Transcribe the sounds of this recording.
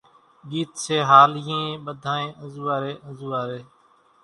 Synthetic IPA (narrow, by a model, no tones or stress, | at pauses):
ɠiːt̪seːɦaːlẽːɓəd̪ʱaːẽːʔə̃zuːaːɾeːʔə̃zuːaːɾeː